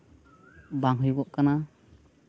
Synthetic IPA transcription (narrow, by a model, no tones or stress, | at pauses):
baŋɦɯjɡɔʔkana